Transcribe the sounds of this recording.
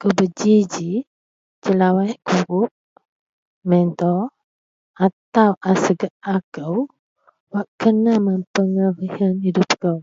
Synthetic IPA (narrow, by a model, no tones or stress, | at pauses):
kəwbəd͡ʒid͡ʒi | d͡ʒəlawaʔkuɾʊp̚ | mɛnt̪ɔ | at̪awʔasəɡaʔakəw | waʔkənaməmpəŋəɾihanhidup̚kəw